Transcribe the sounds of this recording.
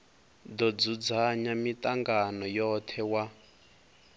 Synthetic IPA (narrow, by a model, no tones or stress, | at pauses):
d̪ɔd͡zud͡zaɲamitʼaŋɡanɔjɔt̪ʰɛwa